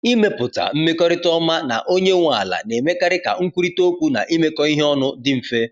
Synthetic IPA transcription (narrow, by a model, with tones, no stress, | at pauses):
i˦me˦pʊ˨ta̰˨m̩˦me˦kɔ˦ɾɪ˦tɔ˦ma˦na̰˨ʔo˦ɲe˦ŋʷa˨la̰˨ne˨me˦ka˦ɾɪ˦ka̰˨ŋ̩˦kʷu˦ɾi˦to˦kʷu˦na̰˨ʔi˦me˦kɔ˦i˦ɦe˦ɔ˦nʊ˦dɪ˦m̩˨fe˦